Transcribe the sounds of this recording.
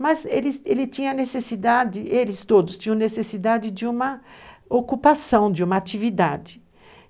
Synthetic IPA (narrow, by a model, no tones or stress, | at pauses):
mɐzelɪelɪt͡ʃĩɲɐnesesid̪ad͡ʒɪʔelɪst̪od̪ʊst̪ĩɲɐ̃nesesid̪ad͡ʒɪd͡ʒɪũmɐokupasɐ̃w̃d͡ʒɪũmɐat͡ʃivid̪ad͡ʒɪ